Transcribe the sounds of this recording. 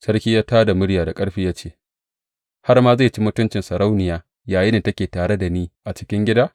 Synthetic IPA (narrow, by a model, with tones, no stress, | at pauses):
sɐ˦ɽkʲiː˦jaː˦taː˦da˨mʊ˦ɽjaː˨da˨kʼɐ˦ɽɸiː˦jaː˦t͡ʃeː˦˨ | ha˦rmaː˦zeː˦˨t͡ʃi˦mʊ˦tʊ˦nt͡ʃɪ˨nsɐ˨ɽa˦wnɪ˨jaː˦ | jaː˨jɪ˦neː˨tɐ˦kʲeː˨taː˨ɽe˦da˨niː˦ʔa˨t͡ʃɪ̥˦kʲɪ˦ŋɡʲɪ˦daː˦